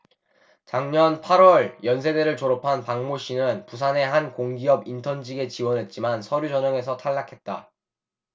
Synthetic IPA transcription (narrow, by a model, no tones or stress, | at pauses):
t͡ɕaŋɲʌnpʰaɾwʌɭjʌns̬ʰe̞de̞ɾɯɭt͡ɕoɾʌpʰanpaŋmoɕ͈ʰinɯnpusʰane̞ɦankoŋɡiʌbintʰʌnd͡ʑiɡe̞t͡ɕiwʌnɦe̞t̚t͡ɕ͈imansʰʌɾjud͡ʑʌɲʌŋe̞sʰʌtʰaɭːakʰe̞t̚t͈a